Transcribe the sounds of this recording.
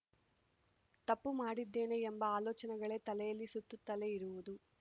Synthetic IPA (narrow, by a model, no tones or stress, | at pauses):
t̪ɐpːumaːɽid̪ːe̞ːne̞embɐaːlɔːt͡ʃɐnɛɡɐɭe̞ːt̪ɐlɛjɐlːisut̪ːut̪ːɐle̞iɾuʋud̪u